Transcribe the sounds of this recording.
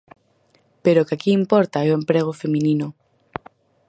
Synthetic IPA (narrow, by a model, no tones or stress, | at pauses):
peɾokakiːmpɔɾt̪aɛoempɾeɣ̞ofemĩninʊ